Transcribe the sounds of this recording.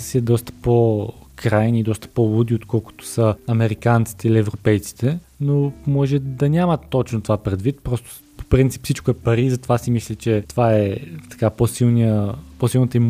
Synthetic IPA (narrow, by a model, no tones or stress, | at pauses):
siɛd̪ɔst̪ə̥pokɾajniːd̪ɔst̪ə̥polˠud̪iot̪kɔlˠkʊ̥t̪ʊ̥səɐmɛɾikant̪si̥t̪ɛiliɛvɾopɛjt̪si̥t̪ɛ | nomɔʒɛd̪ɐnʲamət̪ːɔt͡ʃnot̪ovapɾɛd̪vit̪̚pɾɔst̪o̥ | po̥pɾint̪si̥pfsit͡ʃkʊɛpɐɾizɐt̪ovasimislʲɛt͡ʃɛt̪ovaɛt̪ɐ̥kaposilˠniəposilˠnət̪əim